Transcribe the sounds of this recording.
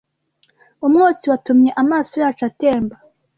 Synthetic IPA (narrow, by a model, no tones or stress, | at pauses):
umŋuːt͡siwatumɲe̞ʔamaːso̞jaːt͡ʃate̞ːmba